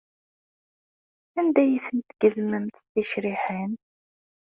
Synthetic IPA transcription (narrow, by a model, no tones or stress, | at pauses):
ænd̪æjiθənt̪ɡəzməmt̪θiʃɾiħən